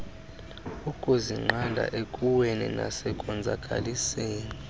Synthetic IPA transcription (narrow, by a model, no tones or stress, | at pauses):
ukʼoziŋ͡ǃʱandʱa̰ʔekʼuwɛnɛ̰na̰sɛkʼɔnd͡zʱakʼa̰liseːni